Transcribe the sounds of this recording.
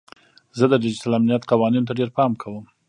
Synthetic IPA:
zəd̪ədɪd͡ʒitalamnijat̪qawɑninot̪aɖeɾpɑmkʰawəm

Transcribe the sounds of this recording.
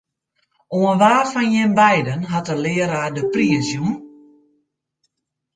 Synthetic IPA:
oənʋaːfɔnjɪnbɛjdənɦatəlɪːəɾaːdəpriəsjun

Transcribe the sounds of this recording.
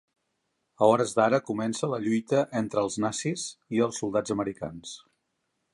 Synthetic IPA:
əɔɾəzd̪aɾəkumɛnsələʎujt̪əʔent̪ɾəːlˠznasiziəlˠsːulˠd̪ad͡zəməɾika̰ns

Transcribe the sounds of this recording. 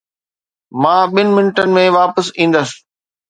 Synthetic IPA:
mãːɓɪnɪ̆mɪnɪʈənɪ̆mẽʋaːpəsĩːn̆d̪əsɪ̥

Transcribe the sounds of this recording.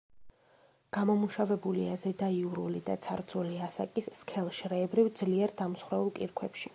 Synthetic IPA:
ɡ̥amɔmuʃavɛbuliazɛd̪aiuɾulid̪at̪sʰaɾt̪zʰʼuliasa̰kʼisːkʰɛlˠʃɾɛːbɾivd̪zliɛɾd̪amsχwɾɛulˠkʼiɾkʰwɛpʃi

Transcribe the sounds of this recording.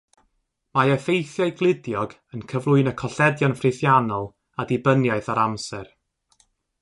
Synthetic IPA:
maɛfejθjaɨɡlˠɪdjɔɡ | ənkʰəvlˠʊɨnəkʰɔɬɛdjanfrɪθjanɔlˠ | adɪbənjaɨθaɾamsɛr

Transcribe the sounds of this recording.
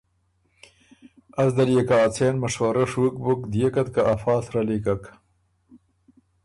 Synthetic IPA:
ɐsd̪ɐljekaːt͡sʰeːnmɐʂwɐɾɐʂwukbukd̪ijekɐt̪kaʔafɑːsɾalikɐk

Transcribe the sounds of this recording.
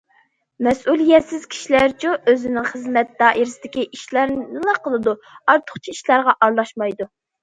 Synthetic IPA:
mɛsʔulˠijɛt̪sɪz̥kʲʰi̥ʃilæɾt͡ʃʰuʔøzɪnɪŋχəzmɛt̪̚d̪ɑːʔiɾɪsɪd̪ɪkʲiʔiʃlˠæɾɨlˠɑqʰəlˠɨd̪uɑɾt̪ʰʊ̥χt͡ʃʰiiʃlˠɑɾʁɑʔɑɾlˠɑʃmɑjd̪u

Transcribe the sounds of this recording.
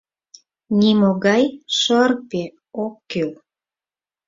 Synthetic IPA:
nimoɣɑjʃərpe | okːøl

